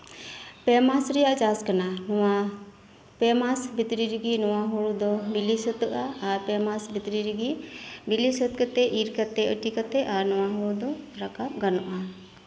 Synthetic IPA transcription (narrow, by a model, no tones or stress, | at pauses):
pɛmasɾɛjaʔt͡ʃaskananɔwa | pɛmasbit̪ɾiɾiɡinɔwaɦɔɭud̪ɔbilisət̪əʔaaɾpɛmasbit̪ɾiɾiɡibilisət̪̚kət̪ɛʔiɾkat̪ɛʔəʈikat̪ɛʔanɔwaɦɔɭud̪ɔɾakap̚ɡanɔʔa